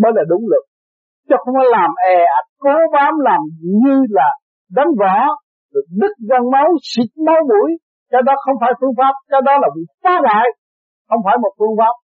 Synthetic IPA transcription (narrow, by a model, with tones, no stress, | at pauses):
ɓəː˨˦jlaː˨˩ɗʊ˨˦ŋ͡mlɨ˨˩k̚ | t͡ɕɔ˧xə˧wŋ͡mkɔː˨˦laː˨˩mʔɛ˨˩a˨˩ko˨˦vaː˨˦mlaː˨˩mɲɨ˧laː˨˩ | ɗa˨˦ŋ̟vɔ˧˨ | ɗ̚ɗɨ˦˥k̚zə˧nmə˨˦wsi˨k̚ma˨˦wɓu˧˩˦j | kɛ˧˥wɗɔ˨˦xə˧wŋ͡mfaː˧˩jfɨ˧əŋfaː˦˥p̚kɛ˧˥wɗɔ˨˦laː˨˩kḭ˧˨˦faː˧˥la̰ː˧˨j | xə˧wŋ͡mfaː˧˩jmo˨˩t̚fɨ˧əŋfaː˦˥p̚